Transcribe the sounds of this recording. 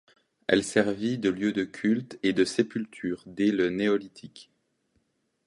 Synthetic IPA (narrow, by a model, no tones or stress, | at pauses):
ɛ̰lsɛʁvid̪əljød̪əkʲʰylt̪ed̪əsepylt̪ʰyːʁd̪eləneɔlit̪ʰik